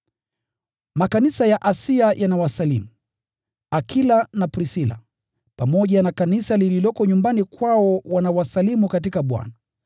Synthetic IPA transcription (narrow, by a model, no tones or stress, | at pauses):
makanisajaʔasiajʔanawasalimu | akʰilanapɾisila̰ | pamɔʄanakanisalililɔkɔɲumbanikwaɔwanawasalimukatikaɓwa̰na